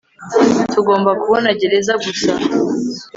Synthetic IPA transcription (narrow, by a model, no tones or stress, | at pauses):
tuɡo̞ːmbakuβo̞naɟe̞ɾe̞zaɡusa